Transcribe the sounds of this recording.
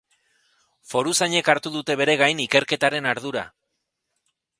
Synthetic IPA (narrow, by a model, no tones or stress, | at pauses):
fo̞ɾusaɲe̞kaɾt̪uð̞ut̪e̞β̞e̞ɾe̞ɣajnike̞ɾke̞t̪aɾe̞naɾð̞uɾa̰